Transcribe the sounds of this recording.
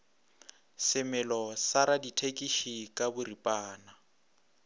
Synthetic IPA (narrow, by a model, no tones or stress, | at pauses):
sɪmɛlɔsaɾaditʰekʼiʃikʼabʊripʼaːna